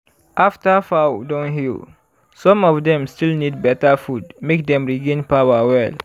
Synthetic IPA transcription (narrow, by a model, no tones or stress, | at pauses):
ʔaftafawdɔ̃nhil | sɔ̃mɔfdɛ̃mstilnid̚bɛtafudmek̚dɛ̃mɹiɡẽnpawawɛl